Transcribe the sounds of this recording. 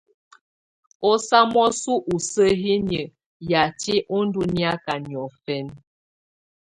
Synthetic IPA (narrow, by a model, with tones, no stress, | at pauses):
ɔ˦sa˦m˦ɔ˦su˦ʔu˨sə˦ɦi˦njə˨ | ja˨ti˦ʔɔ˦n̩˦du˦ni˦a˦ka˨njɔ˨fɛ˦n